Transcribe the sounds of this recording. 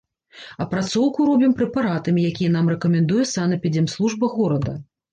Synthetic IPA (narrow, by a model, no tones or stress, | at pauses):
ɐpɾat̪sɔwkuɾɔbʲimpɾɛpaɾat̪ɐmʲijakʲijɛnamrɛkɐmʲɛnd̪ujɛsanɐpʲid͡zʲɛmslˠuʐbɐɣɔɾɐd̪ɐ